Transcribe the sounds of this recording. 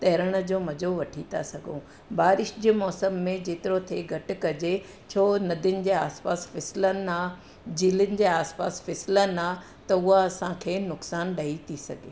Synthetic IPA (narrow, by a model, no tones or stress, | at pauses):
t̪ɐːɾəɽ̃ə̆d͡ʑoːmɐd͡ʑoʋɐʈʰit̪ʰasɐɡʱõ | baːɾɪʃd͡ʑeːmɔːsəmːẽd͡ʑeːt̪ɪɾot̪ʰeɡʱɐʈ̆kɐd͡ʑe | t͡ɕʰoːnɐd̪ʱɪʊnɪ̆d͡ʑeːaːspaːsfɪsɪlənɪ̆aː | d͡ʑiːlɪnɪ̆d͡ʑeːaːspa̰ːsfɛsɪlənaː | t̪ɐʊɦaɐsãkʰeːnʊksaːnɗɐit̪ʰisɐɡʱḛː